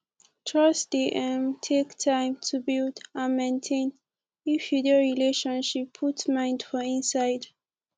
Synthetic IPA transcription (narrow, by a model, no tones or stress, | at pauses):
tʰɹʌsdiʔɛ̃mtʰektʰãɪ̃mtʰubildãnmẽntʰẽn | ifidioɹileʃɔ̃nʃipʰːutsmãɪ̃ndfɔĩnsaɪd